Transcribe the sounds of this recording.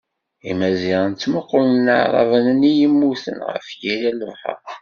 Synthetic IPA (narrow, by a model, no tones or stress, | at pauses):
imæziʁənt͡sːməqːʊlənəʕɾˤɑ̰vənənijəmːuθə̰nʁə̰fjilæləvˤħə̰q